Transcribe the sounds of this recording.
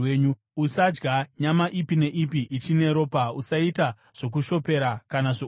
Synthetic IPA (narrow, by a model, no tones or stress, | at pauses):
eɲu | usad͡ʒɡaɲamaʔipine̞ʔipiʔit͡ʃine̞ɾo̞ːpausaita | ʐ̥o̞k̬uʃo̞pe̞ɾakanaʐo